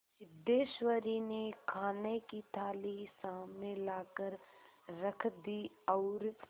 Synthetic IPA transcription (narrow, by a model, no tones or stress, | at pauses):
sɪd̪eːʃwəɾinekʰaːnekit̪ʰaːlisaːmnelaːkəɾɾəkʰd̪iː | ɔːɾ